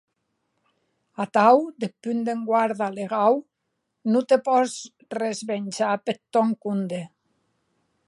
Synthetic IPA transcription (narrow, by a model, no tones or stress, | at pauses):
at̪awd̪epynd̪eŋɡwaɾðaleɣaw | nut̪epɔz | rezβenʲt͡ʃapet̪ːɔŋkund̪e